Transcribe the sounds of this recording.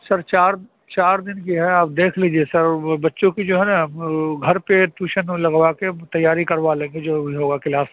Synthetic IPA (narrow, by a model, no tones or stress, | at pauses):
sɐɾt͡ʃaːɾ | t͡ʃaːɾd̪ɪnkiɦɛaːp̚d̪eːkʰliːd͡ʒiesɐɾbɐtːʃõkid͡ʒoːɦɛnaɡʱɐɾpeʈuːʃənlɐɡʋaket̪ɐjːaːɾikɐɾʋalẽːŋɡed͡ʒoːbʱiɦoːɡakɪlaːs